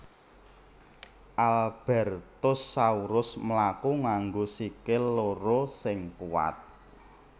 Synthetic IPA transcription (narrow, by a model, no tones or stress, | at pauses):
ʔalb̥ɛrt̪ʊsːauɾʊsmlakuŋaŋɡosikeloɾosɪŋkuwa̰t̪̚